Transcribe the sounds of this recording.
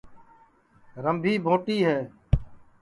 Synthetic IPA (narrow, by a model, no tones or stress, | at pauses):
ɾəmbʱiːbʱoːʈiːɦɛː